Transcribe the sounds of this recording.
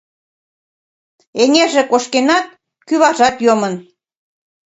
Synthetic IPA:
eŋʲeʒĕkoʃkenɑt̪̚ | kyβɑʒɑt̪jomən

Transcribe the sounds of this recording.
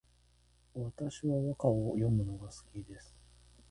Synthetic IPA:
βat̪aɕiβaβakaojo̞mɯ̟no̞ɡasɨ̥kʲid̪e̞sɨ̥

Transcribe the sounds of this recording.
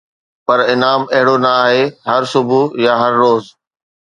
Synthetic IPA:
pɐɾɪnaːmɐɦɪɽonɐaːɦeɦɐɾsʊbʱujaːɦɐɾːoːz

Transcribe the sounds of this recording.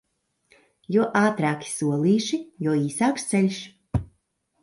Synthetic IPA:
juɔʔaːt̪ɾaːkʲi̥suɔlˠiːʃijuɔiːsaːkst̪sɛlʲʃ

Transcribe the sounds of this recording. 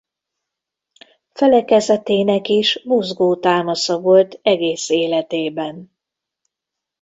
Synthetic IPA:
fɛlɛkɛzɛt̪eːnɛkiʃmuzɡoːt̪aːmɒsɒvo̞lt̪ɛɡeːseːlɛt̪eːbɛn

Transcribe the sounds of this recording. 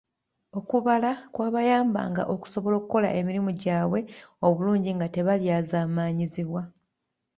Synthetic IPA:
o̞kuβalakwaːβajaːmba̰ŋɡa̰ʔo̞ku̥so̞βo̞lo̞ːkuko̞la̰ʔe̞miɾimuɟaːβwe̞o̞βuluːɲɟiŋɡate̞βaljaːzaːmaːɲiziβwa

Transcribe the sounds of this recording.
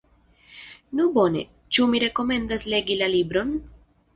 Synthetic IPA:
nubo̞ne̞̰ | t͡ʃumiɾe̞ko̞me̞ndasle̞ɡilalibɾo̞n

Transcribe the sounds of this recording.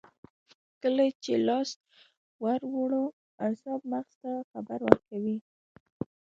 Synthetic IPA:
kəlat͡ʃelɑst̪̚ | waɾwoɽo | asɑb̚maɣz̥t̪axabaɾwəɾkawi

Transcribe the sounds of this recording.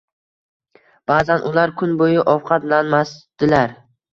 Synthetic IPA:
b̥aːzanʔʊlaɾkʰʊnbojɪʔɒwqʰɑt̪lanmasd̪̥ɪlaɾ

